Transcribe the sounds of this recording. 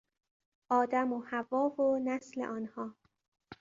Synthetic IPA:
ʔɒːd̪æmohævɒːvonæslḛʔɒːnhɒː

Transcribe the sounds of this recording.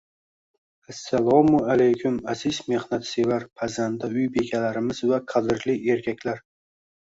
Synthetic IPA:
asːalˠɒmʊalajkʲʰʊmazɪzme̞hnat̪sevaɾpʰazand̪aʊjbe̞kʲʰalaɾɪmɪzvaqʰɑd̪ɪɾlɪe̞ɾkʲakʲlaɾ

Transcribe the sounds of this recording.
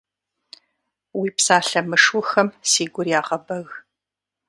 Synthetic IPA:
wiːpsaːɬɐmɨʂʊxɐmsiːɡʷʊrjaːʁɐbɐɣ

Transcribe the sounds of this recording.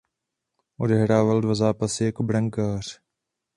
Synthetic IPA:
ʊdeɦɾaːʋəld̪ʋəzaːpəseːkbɾəŋkaːɾ

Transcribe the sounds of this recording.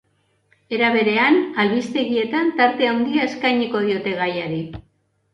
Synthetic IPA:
e̞ɾaβe̞ɾe̞analβist̪e̞ɣie̞t̪ant̪aɾt̪e̞awnɡ̪iaeskajɲiko̞ð̞io̞t̪e̞ɣ̞ajaɾi

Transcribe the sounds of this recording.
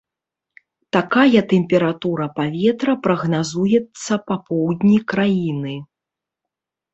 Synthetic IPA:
t̪akajɐt̪ɛmʲpʲɛɾat̪uɾɐpavʲɛt̪ɾɐpɾɐɣnazujɛt̪sːɐpapɔwd̪ʲnʲikɾajinɨ

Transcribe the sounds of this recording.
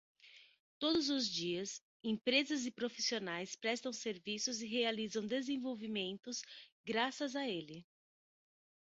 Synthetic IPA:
t̪od̪ʊzʊzd͡ʒiɐs | ẽpɾezɐzɪpɾofi̥sionajspɾɛst̪ɐ̃w̃seɾvisʊzɪɦealizɐ̃w̃d̪ezẽvowvimẽnt̪ʊsɡɾasɐzaelɪ

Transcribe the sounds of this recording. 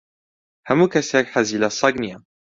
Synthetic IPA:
hamukasɛkħazilasˤɑɡnija

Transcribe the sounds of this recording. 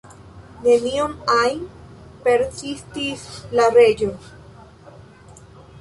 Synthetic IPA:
ne̞niomajnpe̞ɾsistislare̞d͡ʒo̞

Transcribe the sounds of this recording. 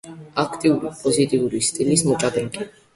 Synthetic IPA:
akʰt̪ʼiuɾipʼɔzit̪ʼiuɾist̪ʼilismɔt͡ʃʼad̪ɛŋkʼi

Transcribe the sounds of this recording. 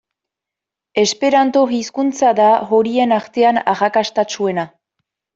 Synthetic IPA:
e̞spe̞ɾant̪o̞ɣiskunt͡saðaɣoɾie̞naɾt̪e̞anaɣakast̪at͡sue̞na

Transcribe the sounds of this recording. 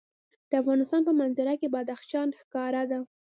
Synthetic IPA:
d̪̥əafɣɑnɪst̪ɑnpəmanzɪɾakebɑd̪axʃɑnxkɑɾad̪a

